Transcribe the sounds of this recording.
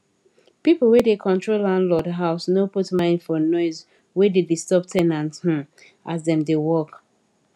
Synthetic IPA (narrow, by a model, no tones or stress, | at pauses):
pipl̩ˠwedekʰɔ̃ntʰɹolãndlɔdɦaʊsnoputmãɪ̃ndfɔnɔɪz | wededistɔp̚tʰɛnãnth̩ | ʔazðɛ̃mdewɔk